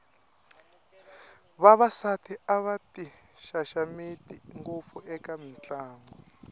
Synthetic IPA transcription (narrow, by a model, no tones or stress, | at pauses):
βaβasatʰiaβatiʃaʃamitiŋɡup̪fuʔɛkamint͡ɬʼaːŋɔ